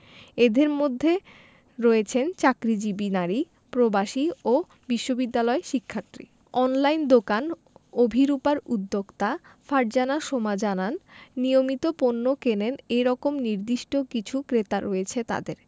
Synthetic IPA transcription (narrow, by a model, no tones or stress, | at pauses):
ed̪eɾmod̪ʱːe | ɾɔet͡ɕʰent͡ɕakɾid͡ʑibinaɾi | pɾobaʃio | biʃːobid̪ːalɔeʃikʰːaɾt̪ɾḭ | ɔnlajnd̪okan | obʱiɾupaɾud̪ːoɡt̪afaɖ̚d͡ʑanaʃomad͡ʑananːijomit̪oponːokeneneɾɔkomniɾd̪iʃʈokit͡ɕʰukɾet̪aɾɔet͡ɕʰet̪a̰d̪eɾ